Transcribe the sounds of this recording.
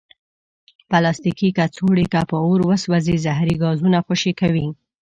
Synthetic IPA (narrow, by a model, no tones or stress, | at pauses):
palɑst̪ikikat͡soɽikapəoɾwəswazezaɦɾiɡɑzunaxoʃikawi